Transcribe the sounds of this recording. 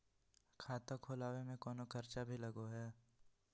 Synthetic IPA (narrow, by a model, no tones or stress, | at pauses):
kʰaːt̪ãkʰoːlaːwemẽkɔːnokʰɐɾt͡ʃabʱilɐɡoɦɛː